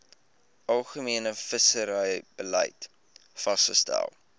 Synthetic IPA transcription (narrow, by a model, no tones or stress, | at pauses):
ʔɐlˠχəmiənəfəsəɾəjb̥ələ̰jt | fɐsχəstæ̰lˠ